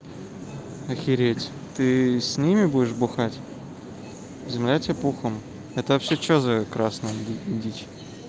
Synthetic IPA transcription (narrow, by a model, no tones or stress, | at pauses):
ɐxʲɪɾʲetʲ | t̪ɨsʲnʲimʲɪbuɪʂbʊxatʲ | zʲɪmlʲætʲepuxəm | ɛt̪əvɐpɕet͡ɕozəkɾasnəidʲit͡ɕ